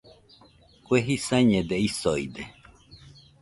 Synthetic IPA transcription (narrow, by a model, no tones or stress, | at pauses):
kʷweɦisaɲẽd̪eisojd̪e